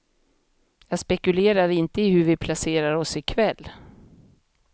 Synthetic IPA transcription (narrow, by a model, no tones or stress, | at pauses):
jɑːspɛkɵleːɾad̪ɪnt̪əɪhɵɾvɪpʰlaseːɾaɾɔsɪkʰvɛlː